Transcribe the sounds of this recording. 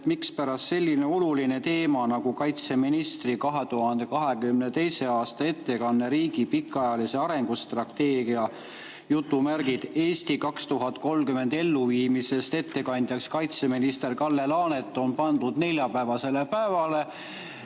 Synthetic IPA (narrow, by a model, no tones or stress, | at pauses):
mikspæɾɑst̪se̞lʲːine̞o̞luline̞t̪e̞ːmɑnɑɡukɑjt̪se̞minist̪rikɑɦe̞t̪uhɑnd̪̥e̞kɑɦe̞ɡymne̞t̪e̞jse̞ɑːst̪ɑe̞t̪ːe̞kɑnːe̞ɾiːɡipikːˑɑjɑlise̞ɑɾe̞ŋɡust̪rɑt̪ːe̞ːɡiɑ | jut̪ːˑumærɡ̥id̪̥e̞ːst̪ikɑkst̪uɦɑt̪ko̞lmkyme̞nd̪̥e̞lːuviːmise̞st̪e̞t̪ːe̞kɑnʲd̪jɑkskɑjt̪se̞minist̪e̞rkɑlːe̞lɑːne̞t̪ːˑo̞npɑnd̪̥ud̪̥ne̞lʲjɑpævɑse̞le̞pæevɑle̞